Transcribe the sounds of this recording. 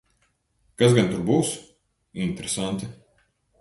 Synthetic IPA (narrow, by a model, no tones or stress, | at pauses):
kasɡant̪uɾbuːs | int̪eɾesant̪ɪ